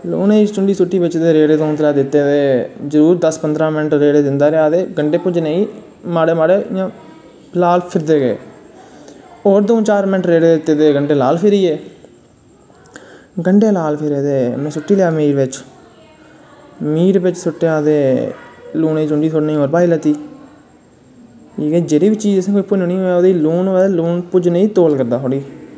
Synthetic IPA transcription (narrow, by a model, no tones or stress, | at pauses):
lṵːneːit͡ʃʊɳɖiːsʊʈːiːʋɪt͡ʃd̪eːɾeːɽeːd̪õːnt̪əlaːd̪ɪt̪ːeːd̪eːd͡ʒəɾuːɾd̪əspənd̪ɾãːmɪnʈɾeːɽed͡ʒɪnd̪aːɾeaːd̪eːɡəɳɖeːpʊd͡ʒneĩː | maːɽeːmaːɽeːɪãː | laːlpʰɪɾd̪eːɡeː | oːɾd̪õːt͡ʃaːɾmɪnʈɾeːɽeːd̪ɪt̪ːeːd̪eːɡəɳɖeːlaːlpʰɪɾiːeː | ɡəɳɖeːlaːlpʰɪɾeːd̪eːmẽːsʊʈːiːljaːmiːɾʋɪt͡ʃ | miːɾʋɪt͡ʃsʊʈːeãːd̪eː | luːneid͡ʒʊɳɖiːt̪ʰoːɽneiːoːɾbaːiːlət̪ːiː | iːɡeːd͡ʒeːɾiːʋiːt͡ʃiːd͡ʒsẽːkoːiːpʊd͡ʒoːnĩːoːɛoːd̪iːluːnːɛːd̪eluːnpʊd͡ʒneĩːt̪oːlkəɾd̪aːɦoːɽiː